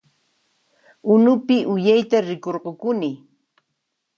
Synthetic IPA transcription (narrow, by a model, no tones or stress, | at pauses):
ʊnʊpɪʔʊjajt̪aɾɪkoɾɢokʊnɪ